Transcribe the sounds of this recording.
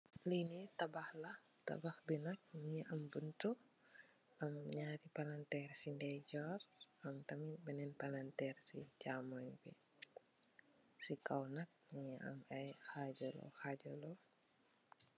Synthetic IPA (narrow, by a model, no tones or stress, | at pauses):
linitabahlah | t̪a̰bahbinak̚ɲiʔambuntuk | amɲaɾipalantɛrsindɛd͡ʒɔramt̪aminbɛnɛnpalantɛrsḭt͡ʃamɔjbi | sikawnak̚ɲia̰mɛjhad͡ʒɔlɔ̰xad͡ʒɔlɔ